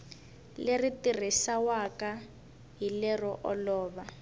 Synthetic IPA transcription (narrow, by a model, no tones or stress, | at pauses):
leritir̤isawaka | ɦilɛrɔʔɔlɔːβa